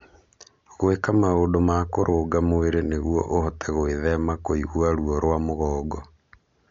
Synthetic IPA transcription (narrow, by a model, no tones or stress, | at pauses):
ɣoekamaoːdomakoɾʔoːɡamoeɾeneɣuɔ̰ʔohɔtɛɣoeðɛmakoiɣwaɾuɔɾwamoɣɔːɡɔ